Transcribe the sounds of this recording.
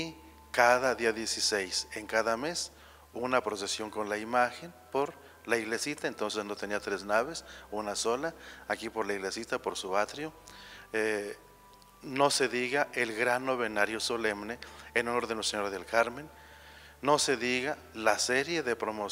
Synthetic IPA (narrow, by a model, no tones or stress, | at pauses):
kaðaðiaðje̞sisejseŋkaðames | unapɾo̞s̬e̞sjo̞ŋko̞nlaimaxen | po̞ɾ | laiɣlesit̪aent̪o̞nse̞zno̞t̪e̞niat̪ɾe̞znaβe̞sunaso̞laːkipo̞ɾlaiɣle̞sit̪apoɾsuβat̪ɾjoe | no̞se̞ðiɣaʔelɣɾanːoβe̞naɾjoso̞lemneenunoɾðenoseɲoɾaðelkaɾmẽ̞nː | o̞se̞ðiɣa | laseɾje̞ðepɾomo